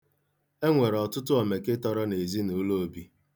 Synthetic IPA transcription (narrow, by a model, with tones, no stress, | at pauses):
e˦ŋʷe˨ɾɔ˨tʊ˦tʊ˦ɔ˨me˨kɪ˦tɔ˦ɾɔ˦ne˨zi˦nu˨˦lo˦o˨˦bi˦